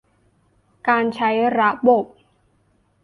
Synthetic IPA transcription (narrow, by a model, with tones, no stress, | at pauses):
kaː˧nt͡ɕʰa˦˥jɾa˦˥bo˨˩p̚